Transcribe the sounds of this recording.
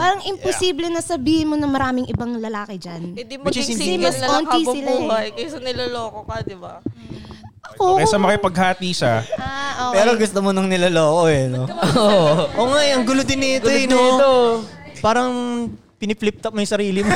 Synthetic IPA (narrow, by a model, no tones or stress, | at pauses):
paːɾɐŋɪmposiːblɛnɐsɐbiːhɪnmonɐŋmɐɾaːmɪŋʔɪbaŋlɐlaːkɪd͡ʒanɛd̪ɪmɐt͡ʃɛsɪnmɐsɐoːnisoɪluːɐjkɐjsɐnɪlɐloːkokɐd̪ɪba | ɐkokɐjsɐmɐkɪpɐɡhaːt̪iːsɐʔopɛːɾoɡʊst̪omonɐŋnɪlɐloːkojɐnooʔoːŋajʔɐŋɡʊlod̪ɪnːɪtono | paːɾɐŋ | pɪnɪflɪp̚t̪ɐmɐjsɐɾiːlɪm